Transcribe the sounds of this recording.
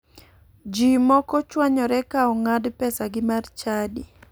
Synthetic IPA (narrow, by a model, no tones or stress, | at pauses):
d͡ʒimɔkɔt͡ʃwaɲɔɾɛkaɔŋadpɛsaɡɪmart͡ʃadi